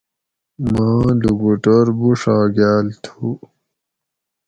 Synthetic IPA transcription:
mãːluɡuʈoɾbuʂaːɡaːlt̪ʰu

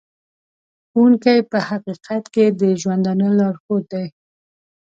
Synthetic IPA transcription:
uŋkajpəhaqiqat̪ked̪əʒwand̪ɑnəlɑɽxot̪̚d̪aj

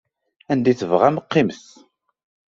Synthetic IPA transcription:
ænd̪iθəvʁæməqːimθ

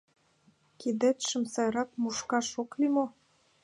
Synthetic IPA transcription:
kid̪ɘ̆t̪ʃɘ̆msɑjɾɑk̚muʃkɑʃoklimo

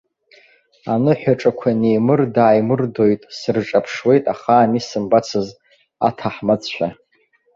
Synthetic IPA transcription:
anɨħʷᶣaʈ͡ʂʼakʷʰanejmɨrdaːjmɨrdojtʼsɨrʈ͡ʂʼapʰʂwe̞jtʼaχaːmisɨmbat͡sʰɨz | a̰tʰaħmat͡sħʷᶣa

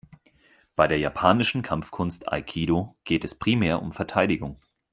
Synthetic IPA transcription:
b̥aɪdeːɐjapʰaːnɪʃn̩kʰamfkʰʊnstʰa̰ɪkʰiːdoɡ̥eːtɛspʁ̥iːmɛːɐʔʊ̰mfɛɐtʰaɪdɪɡʊŋ

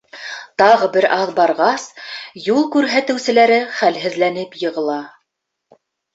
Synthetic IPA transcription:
t̪ɑʁɤbɘɾʔɑðbɑɾʁɑsjulˠkʉɾɦæt̪ɘ̆wsɘ̆læɾɘχælɦɘ̆ðlænɘpjɤ̆ʁɤ̆lˠɑ

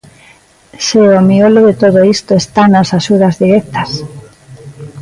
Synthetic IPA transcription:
seomioloðet̪oðoist̪oest̪anasaʃuðazðiɾek̚t̪as

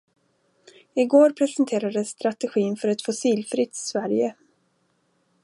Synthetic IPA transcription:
ɪɡoːɾpʰɾɛsənt̪ʰeːɾad̪əsːt̪ɾat̪ɛɧiːnfœɾɛt̪fʊsiːlfɾɪt̪svæɾjə

